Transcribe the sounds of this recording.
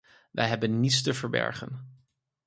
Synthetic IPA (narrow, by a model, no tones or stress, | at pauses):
ʋɛjɦɛbənːitstəvəɹbɛ̰ɹχə̰n